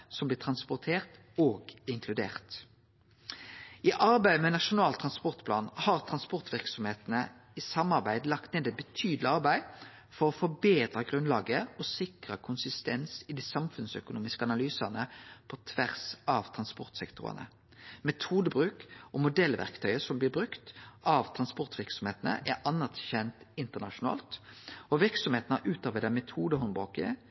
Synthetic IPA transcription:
sɔmblɪːt̪ʰʁɑnspʊʁt̪ʰeːʁt̪ | oːɡɪŋkʰlʉd̪ḛːʁt̪ | iːʔɑʁbæɪmɛnɑʃʊnɑːlt̪ʰʁɑnspɔʁt̪pʰlɑ̰ːnhɑʁt̪ʰʁɑnspɔʁt̪ʋɪʁksɔmheːt̪nə | isɑmːɑʁbæɪd̪lɑkt̪neːd̪ɛbət̪ʰyːd̪lɪɑʁbæɪ | fɔɾɔfɔbeːd̪ʁəɡʁʉnlɑːɡəɔsɪkʁəkʰʊnsɪst̪ɛnsɪd̪iːsɑmfʉnsœ̰kʊnuːmɪskəɑnɑlyːsɑnəpʰɔt̪ʰʋæʁsɑʋt̪ʰʁɑnspɔʁt̪sɛkt̪ʰʊ̰ʁə̰nə̰ | mɛt̪ʰuːd̪əbʁʉːkɔmʊd̪ɛlːʋæ̰ʁkt̪ʰœʏəsɔmblɪːɾbɾʉkt̪ʔɑʋt̪ʰʁɑnspɔʁt̪ʋɪɾksɔmheːt̪ənə̰ʔæɾɑnːɑt̪çɛnt̪ɪnt̪əʁnɑʃʊnɑ̰ːlt̪ɔʋɪɾksɔmheːt̪nəʔʉːt̪ɑːʋəd̪æmɛt̪ʰuːd̪əɦɔnbʁoːkə

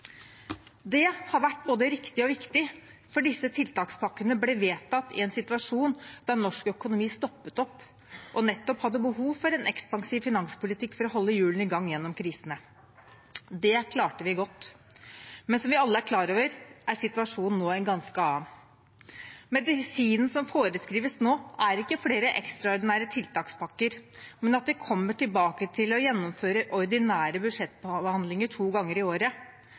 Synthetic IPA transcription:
d̪ɛhɑɾʋæʈ̚ːboːd̪əɾɪkt̪ɪɔʋɪkt̪ɪfɔɖɪsːət̪ʰɪlt̪ɑːkspʰɑkːənəblɛʋeːt̪ʰːɑt̪ːɪ̰ɛnsɪt̪ʉɑʂuːnd̪̥ɑnɔʂkœkʊnʊmiːst̪ɔpːət̪ɔpː | ʔɔnɛt̪ːɔphɑd̪ːəbəɦuːʋfɔɾɛnʔɛkspɑŋsiːʋfɪnɑŋspʰʊlɪt̪ʰɪkːfɔɾɔɦɔlːəjʉːln̩ɪɡɑŋːjɛnːɔmkʰɾiːsənə | d̪ɛkʰlɑːʈəʋɪɡɔt̪ː | mɛnsɔmʋɪɑlːəæɾkʰlɑːɾoːʋəɾʔæɾsɪt̪ʉɑʂuːnn̩ːoːɛnɡɑnskəɑːn | mɛd̪ɪsiːnn̩sɔmfoːɾəskɾiːʋəsnoːæɾɪkːəfleːɾəʔɛ̰kst̪ɾɑɔɾd̪ɪnæːɾət̪ʰɪlt̪ʰɑːkspʰɑkːəɾmɛnɑt̪̚d̪ɛkʰɔmːəʈɪlbɑːkət̪ʰɪlɔjɛnːɔmføːɾəʔɔɾd̪ɪnæːɾəbʉd̪ʂɛt̪ːbəhɑnd̪lɪŋəʈʰuːɡɑŋːəɾɪoːɾə

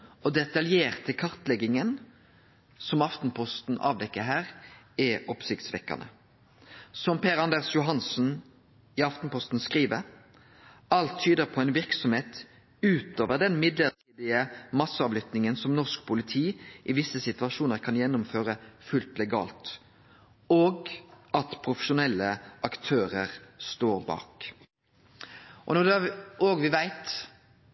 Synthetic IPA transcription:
ɔd̪ɛt̪ɑljeːʁt̪ʰːɪlkʰɑʁt̪lɛɡɪŋən | sɔmɑft̪n̩pʰɔst̪n̩ʔɑ̰ːʋd̪ɛkːəɦæːʁ | ɛʔɔpsɪkt̪sʋɛkːɑ̰nə̰ | sɔmpʰeːʁɑnd̪eːʁsjʊɦɑnsn̩ | ɪɑft̪n̩pɔst̪nskʁiːʋəɾ | ɑlt̪ʰːyːd̪əɾpʰɔɛɪnʋɪʁksɔmheːt̪ | ʉːt̪oːʋəʁd̪ɛnmɪd̪lət̪ʰiːd̪ɪəmɑsːəɑːʋlʏt̪nɪŋənsɔmnɔskpʰʊlɪt̪ʰiːʔɪʋɪsːəsɪt̪ʋɑʃuːnəɾkʰɑnjɛnːʊmføːɾəfʉlt̪lɛɡɑ̰ːlt̪ | oːɡɑt̪pʰʁʊfə̥ʃʊnɛlːəʔɑkt̪ʰøːɾəʁst̪oːʁbɑ̰ːk | ʔɔnɔd̪æoːɡʋɪʋæɪt̪

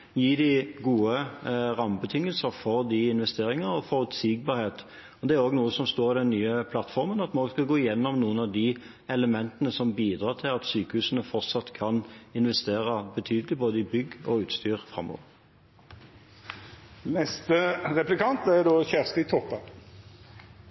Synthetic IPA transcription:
jiːd̪ɪɡuːəʁɑmbət̪ʰɪŋːəlsəʁfɔʁd̪ɪɪnʋɛst̪eːɾɪŋəʁɔfɔʁʉt̪sɪɡ̚bɑːɾheːt̪ | ɔd̪ɛæɾoːɡnuːəsɔmst̪oːɾɪd̪ɛnnːyːəpʰlɑt̪ːfɔʁmənɑt̪mnɔːɡskɑɡoːɪjɛnːɔmnuːənɑʋd̪ɪ | ɛləmɛnt̪ənəsɔmbiːd̪ʁɑːʁt̪ʰɪlɑt̪syːkəhʉːsənəfɔʁt̪sɑt̪kʰɑnɪnʋɛst̪eːʁəbət̪ʰyːd̪əlɪboːd̪əɪbʏɡɔʉːt̪st̪yːʁfʁɑ̰mːo̰ːʋəʁ | nɛst̪əʁɛplɪkʰɑnt̪̚d̪æd̪oːçæʁst̪ɪt̪ʰɔpːə

